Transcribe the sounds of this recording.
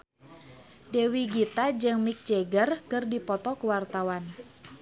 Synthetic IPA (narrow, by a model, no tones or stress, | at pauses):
dewiɡit̪ad͡ʒɨŋmik̚d͡ʒeɡərkɨrdipɔt̪ɔkəwart̪awan